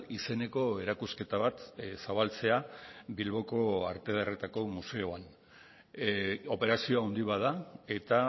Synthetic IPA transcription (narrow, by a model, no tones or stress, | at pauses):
ise̞ne̞ko̞e̞ɾakuske̞t̪aβat̪saβalt͡se̞abilβo̞ko̞a̰ɾt̪e̞ðere̞t̪ako̞muse̞oan | o̞pe̞ɾasio̞awnd̪iβaðae̞t̪a